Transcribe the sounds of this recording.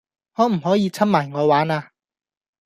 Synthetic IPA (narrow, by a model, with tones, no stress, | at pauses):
ŋɔː˧˥m̩˨˩hɔː˨˥jiː˧t͡sʰa˥p̚maː˨˩jŋɔː˨˧waː˨˥naː˧